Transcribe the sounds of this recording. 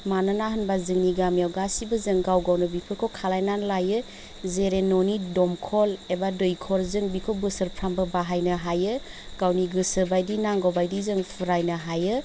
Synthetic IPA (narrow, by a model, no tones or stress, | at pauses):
mananaɦɯnbazɯŋniɡamjawɡasibɯzɯŋɡawɡawnɯbipʰɯkʰokʰalajnanlajɯ | zeɾenonidɔmkʰɔlebadojkʰɔɾzɯŋbikʰobɯsɯɾpʰɾambɐbaɦajnɐɦajɯ | ɡ̥awniɡɯsɯbajdinaŋɡawbajdizɯŋpʰɯɾajnɐɦajɯ